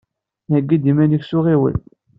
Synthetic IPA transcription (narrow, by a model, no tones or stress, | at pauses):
æɡːid̪imænəksʊʁiwə̰n